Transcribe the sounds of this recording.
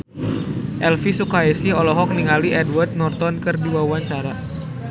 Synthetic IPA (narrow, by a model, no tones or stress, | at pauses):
ʔɛlfisukaɛsɪɦɔlɔɦɔk̚niŋaliʔɛdwart̪̚nɔrt̪ɔnkɨrdiwawaɲt͡ʃaɾa